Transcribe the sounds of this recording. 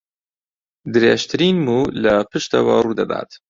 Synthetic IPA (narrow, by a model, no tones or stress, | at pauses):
d̪ɾeʃt̪ɾinmulapəʃt̪awɑ̰ɾud̪ad̪ɑ̰ːd̪̥